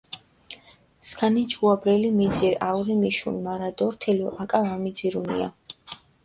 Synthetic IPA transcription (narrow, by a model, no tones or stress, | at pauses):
skʰanit͡ʃʰʼuabɾɛlimid̪ziɾauɾimiʃṵnmaɾad̪ɔɾt̪ʰɛlɔʔakʼavamid̪ziɾunḭa̰